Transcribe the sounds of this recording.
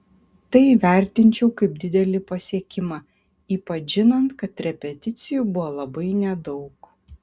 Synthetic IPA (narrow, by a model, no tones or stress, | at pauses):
t̪ɐɪʋʲæˑɾʲt̪ʲɪnʲt͡ʃʲɛʊkɐɪpd̪ʲɪd̪ʲɛlʲɪpɐsʲiɛkʲɪmɑ | iːpɐʒʲɪnɐnt̪kɐt̪ɾʲɛpʲɛt̪ʲɪt̪sʲɪjubʊʋolˠɐbɐɪnʲɛd̪ɒʊk